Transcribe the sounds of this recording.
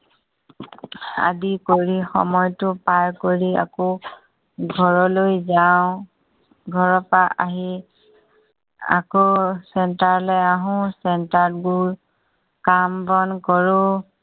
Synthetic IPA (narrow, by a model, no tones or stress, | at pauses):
a̰dikoɹixɔ̰mɔjtʊpaɹkoɹia̰kɔ | ɡʱɔɹɔlojzawʊ̃ | ɡʱɔɹɔpaʔa̰ɦi | a̰kosɛntaɹlɔjaɦʊ̃sɛntaɹdɡul | kambɔnkɔɹʊ̃